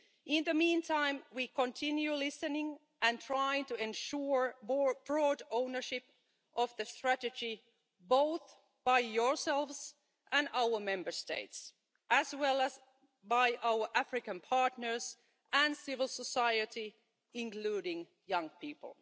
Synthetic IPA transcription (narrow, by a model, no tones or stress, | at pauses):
ʔɪ̃nðəmĩːntʰãɪ̃mwiːkɔ̃ntʰɪ̃njʉlɪsɨnɪ̃ŋ | æ̃ntʰɹ̥aɪɪ̃ŋtɨɛ̃nʃuɹb̥ɹɔdõʊnə˞ʃɪp | ʔɔvðəstɹætɨd͡ʒi | boʊθ | b̥aɪjɔɹsɛlˠvs | ʔæ̃naʊə˞mɛ̃mbə˞stḛɪts | ʔæswɛlæz | baɪʔawə˞ʔæfɹɪkə̃npʰɑɹtnə˞s | ʔæ̃nsɪvəl̩ˠsɔsaɪɨti | ɪ̃ŋkluːɾɪ̃ŋ | jʌ̃ŋpʰiːpə̰lˠ